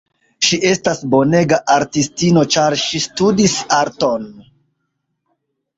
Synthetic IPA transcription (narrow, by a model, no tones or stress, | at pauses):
ʃiʔe̞stasbo̞ne̞ɡaʔaɾtistino̞t͡ʃaɾʃistudisaɾto̞n